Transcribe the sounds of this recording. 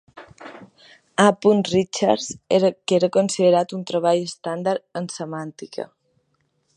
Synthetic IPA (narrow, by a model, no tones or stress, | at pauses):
apunrit͡ʃaɾzeɾkeɾəkonsiðəɾat̪unt̪ɾəβ̞aʎəst̪and̪aɾənsəmant̪ikə̰